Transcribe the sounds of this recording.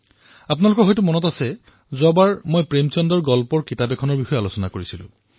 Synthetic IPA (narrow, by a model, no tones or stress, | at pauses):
apnalʊkɔɹɦɔjt̬umɔnɔtasɛ | zabaɹmojpɹemt͡ʃɔndɔɹɡɔlpɔɹkitabekʰɔnɔɹbixɔealosɔnakoɹisilʊ̰̃